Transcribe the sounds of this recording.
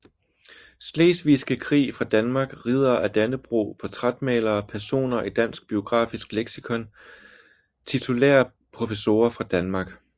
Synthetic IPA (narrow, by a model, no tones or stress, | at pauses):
sleːsʋisɡ̥əkʰʁḭːfʁɑ̈d̥ænmɑ̈ɡ̥ʁið̞ˠɐʔæd̥ænəb̥ʁo̝̰ːpʰɒ̽t͡sʰʁad̥mɛːlɐːpʰæɐso̝̰ːnɐʔid̥æn̰sɡ̥̚b̥io̝ɡ̥ʁɑ̰̈ːfisɡ̥leɡ̥sikʰɔ̽n | t͡sʰit͡sʰo̝lḛːɐ | pʰʁo̝fəso̝ːɐfʁɑ̈d̥ænmɑ̈ːɡ̥